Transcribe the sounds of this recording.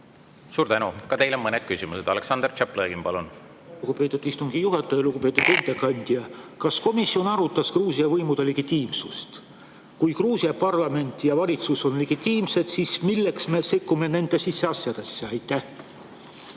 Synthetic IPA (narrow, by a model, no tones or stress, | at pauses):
suːɾt̪ænukɑt̪e̞jlomɤned̪̥̚kysimused̪ɑleksɑnd̪rt͡ʃæpleɡimpɑlun | uɡ̥upe̞ːt̪ːˑud̪ist̪uŋɡ̥ijuɦet̪ːˑojɑluɡupe̞ːt̪ːˑud̪̥end̪̥ekɑnʲd̪̥jɑkɑsko̞misio̞nɑɾut̪ːˑɑskruːsiɑvɤjmud̪̥e̞le̞ɡ̥it̪ʲːiːmsust̪ | kujkruːsiɑpɑrlɑme̞nʲt̪ːˑjɑvɑlʲit̪suso̞nle̞ɡ̥it̪ːiːmse̞d̪̥sismilːe̞ksme̞se̞kːume̞ne̞nd̪̥e̞sisːe̞ɑsjɑd̪̥e̞sːeɑjt̪ːˑæh